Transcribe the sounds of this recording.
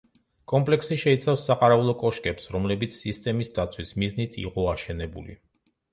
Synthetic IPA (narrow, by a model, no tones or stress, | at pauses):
kʼɔmpʼlɛksiʃɛit̪sʰafsːaqʼaɾɛulˠɔkʼɔʃkʼɛpsɾɔmlɛbit̪sʰːist̪ʼɛmisd̪at̪sʰwismiznit̪ʰḭqʼɔaʃɛnɛbṵlḭ